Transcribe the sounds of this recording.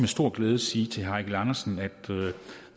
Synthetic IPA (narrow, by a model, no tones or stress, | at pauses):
mesd̥o̝ɐ̰ɡ̥leːð̞ˠsiːt͡sʰe̝ɦɑ̈ɪɡ̥lɑnɐsn̩æd̥ø